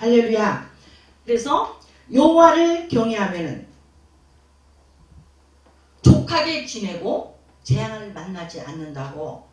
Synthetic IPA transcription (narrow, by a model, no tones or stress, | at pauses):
halːe̞ɭːuja | kɯɾe̞sʰʌ | jowaɾɯɭkjʌŋɦeɦamjʌnɯn | t͡ɕokʰaɡet͡ɕinɦe̞ɡo | t͡ɕejaŋɦanɯɭmanːad͡ʑiʔa̰nːɯndaɡo